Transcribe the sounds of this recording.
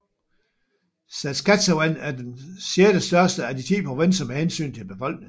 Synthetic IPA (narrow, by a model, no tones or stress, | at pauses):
sæskʰæt͡sawænæɐdensjeːɐɾ̥əsd̥ɶɐsd̥əæd̥it͡sʰḭːpʰɒʋensɐmehensy̰ːnt͡sʰe̝lb̥e̝fɒ̽l̰ɡ̥ne̝ŋ